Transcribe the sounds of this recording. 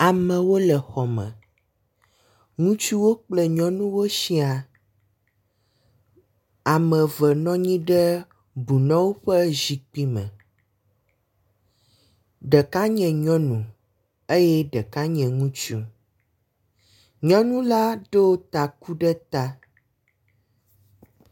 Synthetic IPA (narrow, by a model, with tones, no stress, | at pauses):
a˨mɛ̃˨wo˦lɛ˨xɔ˨mɛ̰̃˨ | ŋũ˦t͡ʃu˦wo˦k͡plɛ˦ɲɔ̃˦nũ˦wo˦ʃi˦a˨ | a˨mɛ̃˨və˨nɔ̃˦ɲĩ˦ɖɛ˦ | bu˨nɔ̃˦wo˦ɸɛ˦zi˨k͡pi˦mɛ̰̃˨ | ɖɛ˨ka˦ɲɛ̃˨ɲɔ̃˦nũ˨ | e˦jɛ˦ɖɛ˨ka˦ɲɛ̃˨ŋũ˦t͡ʃu˦ | ɲɔ̃˦nũ˦la˦ɖo˦t̪a˨ku˦ɖɛ˦t̪a˦